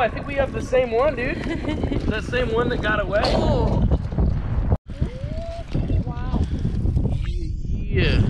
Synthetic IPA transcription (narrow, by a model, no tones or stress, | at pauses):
aɪθɪ̃ŋkwiʌvðɨsẽɪ̃mwʌ̃ndʉ | ðɨsẽɪ̃mwʌ̃nðɨt̚ɡ̥ɑɾəweɪ | wa | jæ